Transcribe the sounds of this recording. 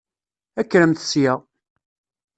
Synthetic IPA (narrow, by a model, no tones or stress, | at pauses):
ækːɾəmθsjəʁ